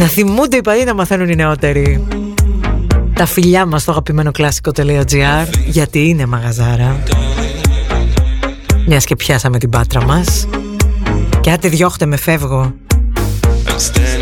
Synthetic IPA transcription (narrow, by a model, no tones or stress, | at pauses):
nɐθimund̪eipɐðinɐmɐθe̞nunine̞o̞t̪e̞ɾi | t̪ɐfiʎɐmɐst̪oɐɣɐpime̞no̞klɐsi̥ko̞t̪e̞liod͡ziɐɾʝɐt̪iinemɐɣɐzɐɾɐ | mɲɐsce̞pçɐsɐme̞t̪ibɐt̪ɾɐmɐs | ceɐt̪iðʝo̞xot̪e̞me̞fe̞vɣo̞